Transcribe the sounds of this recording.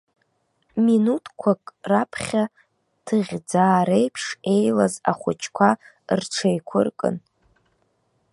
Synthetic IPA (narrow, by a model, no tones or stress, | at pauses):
minutʰkʷʰakʼrapʰχʲa | tʰɨʁʲd͡zaːɾe̞jpʰʂe̞jlaza̰χʷʊt͡ʃʰkʷʰa | rʈ͡ʂʰejkʷʰʊ̰rkʼɨ̰n